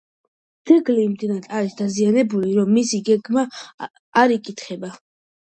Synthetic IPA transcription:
d̪z̥ɛɡlimd̪inat̪ʰʼaɾisd̪azianɛbuliɾɔmːisiɡɛɡmaː | ɾikʼit̪ʰχɛba

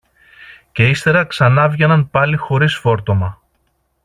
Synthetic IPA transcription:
ce̞ist̪e̞ɾɐksɐnɐvʝenɐnpɐlixo̞ɾisfo̞ɾt̪o̞mɐ

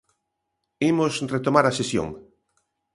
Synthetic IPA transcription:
imosret̪omaɾasesjo̰ŋ

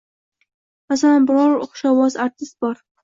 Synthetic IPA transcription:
masalanbɪɾɒɾʊχʃawɒzaɾt̪ʰɪst̪̚bɒɾ

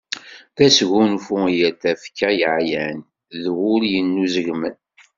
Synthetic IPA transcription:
θæsʝunfujæθæfkːæjəʕjæn | ðwʊljənːuzəʝmən

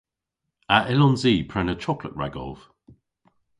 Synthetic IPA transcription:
aʔɪlɔ̃nziːpʰɹ̥ɛnət͡ʃʰɒklə̰ʔɹa̰ɡɔ̰lˠv̥

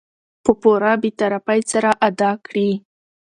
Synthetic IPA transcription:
pəpoɾabet̪aɾafajsaɾaʔad̪ɑkɽi

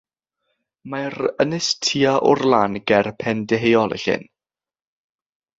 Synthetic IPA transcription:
maɾənɪstʰiaʔʊrlˠanɡ̥ɛrpʰɛndɛɦejɔlˠɛ̰ɬɪ̰n

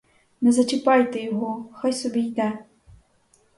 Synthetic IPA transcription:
nɛzɐt͡ʃɪpɑjt̪ejɔɦɔxɔjsɔbʲijd̪ɛ

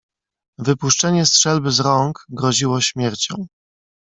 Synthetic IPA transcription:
vɘpuʂt͡ʂɛɲɛstʂɛlbɘzɾɔŋkɡɾɔʑiwɔɕmʲjɛɾt͡ɕɔ̰̃w̃

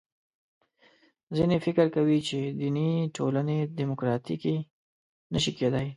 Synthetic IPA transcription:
zinefɪkəɾkawit͡ʃed̪iniʈʰoləned̪imʊkɾɑt̪iki | nəʃiked̪aj

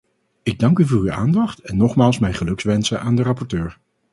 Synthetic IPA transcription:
ɪɡ̚dɑŋkyvʊːɹya̰ːndɑχtɛnːɔχmaːlˠsmɛjχəlɵksʋɛnsəʔaːndərɑpɔɹtøːɹ

